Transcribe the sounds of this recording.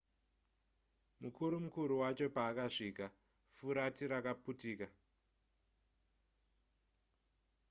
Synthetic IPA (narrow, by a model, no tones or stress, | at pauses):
mukʰuɾumukuɾuwat͡ʃo̞paːkaʂiːka | fuɾatiɾakaputiːka